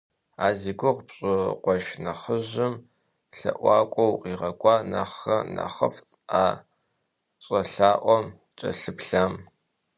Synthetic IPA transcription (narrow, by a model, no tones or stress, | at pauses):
aːziːɡʷʊʁpɕʼɪqʷɔʃnɐχəʑɪm | ɬɐ̰ʔʷɑːkʷʼɔwqiːʁɐkʷʼɑːna̰χɐnɐ̰χɐ̰ftʰʼaː | ɕʼɐɬaːʔʷɔm | t͡ʃʼɐ̰ɬɨpɬaːm